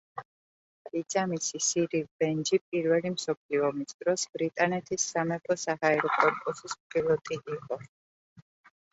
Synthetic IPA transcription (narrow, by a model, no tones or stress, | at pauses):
id̪z̥amisisiɾibɛnd͡ʒipʼiɾvɛlimsɔpʰliɔmisd̪ɾɔsbɾit̪ʼanɛt̪ʰisːamɛpʰɔsahaɛɾɔkʼɔɾpʼusismpʼilˠɔt̪ʼiʔiqʼɔ